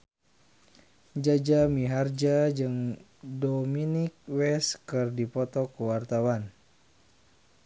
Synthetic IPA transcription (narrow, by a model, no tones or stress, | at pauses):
d͡ʒad͡ʒamiɦard͡ʒad͡ʒɨŋ | dominɪk̚wɛskɨrdipɔt̪ɔkəwart̪awan